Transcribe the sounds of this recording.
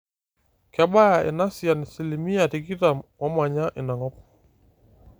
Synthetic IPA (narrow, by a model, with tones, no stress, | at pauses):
kɛ˨ɓa˦ja˨ʔɪ̰˨na˦si˨a˨ni˨si˨li˨mi˦a˨ti˨ki˦ta˨mwa˦ma˨ɲa˦ʔɪ˨na˨ŋɔ˦p